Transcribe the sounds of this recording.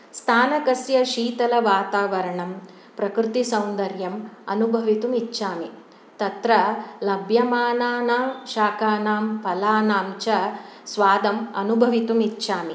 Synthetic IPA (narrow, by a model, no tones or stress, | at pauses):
st̪ʰaːnɐkɐsjɐʃiːt̪ɐlɐʋaːt̪aːʋɐɾɐɳɐm | pɾɐkɾɪt̪isɐwnd̪ɐɾjɐmɐ̰nubʱɐʋit̪umitːʃaːmi | t̪ɐt̪ɾɐlɐbʱjɐmaːnaːnaːʃaːkaːnaːmpɐlaːnaːmt͡ʃɐsʋaːd̪ɐmɐnubʱɐʋit̪umitːʃaːmi